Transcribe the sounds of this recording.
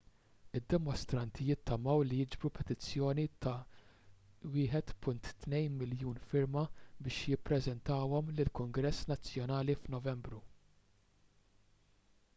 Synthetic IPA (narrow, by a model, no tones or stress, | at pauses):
ɪd̪ːɛmɔst̪ɾɐnt̪ʰijɪt̪ːɐmɐwlijɪd͡ʒbɾupʰɛt̪ɪt͡sːjɔːnit̪ɐ | wɪːħɛt̪pʊnt̪ːnɛjnmɪljuːnfɪɾmɐbɪːʃjɪpːɾɛzɛnt̪ɐːwɔmlɪlkʊŋɡɾɛsːnɐt͡sːjɔnɐːlifnɔvɛmbɾu